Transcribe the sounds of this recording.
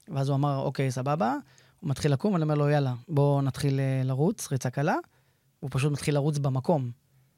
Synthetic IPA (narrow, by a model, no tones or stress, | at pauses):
veazuamaʁo̰kejsababa | umat̪χilakumveaniome̞ʁlojalabo̞nat̪χilelaʁut͡sʁet͡sakala | vupaʃut̪mat̪χilːaʁut͡sbemako̞m